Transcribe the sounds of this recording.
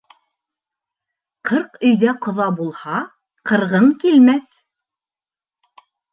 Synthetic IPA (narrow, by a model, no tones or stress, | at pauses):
qʰɤɾqɵ̆jðæqŏðɑbulˠhɑ | qɤ̆ɾʁɤɴkilmæθ